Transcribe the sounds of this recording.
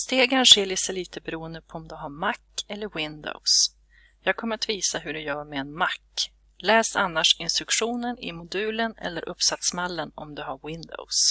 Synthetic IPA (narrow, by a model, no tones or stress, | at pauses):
st̪eːɡanʂɛɭɪsəliːt̪əbɛɾuːənd̪əpʰɔɔmd̪ɵɦaɾmakːɛlːəɾwɪnd̪ɔ̰ʊs | jɑːɡ̚kʰɔməɾat̪viːsaɦɵɖɛjœːɾmɛːnmakː | lɛːsanːaʂɪnst̪ɾɵkʂuːnənɪ̰mʊd̪ʉ̟ːlənɛ̰lːəɾʔɵpːsat̪smalːənɔ̰md̪ɵɦaɾwɪnd̪ɔ̰ʊs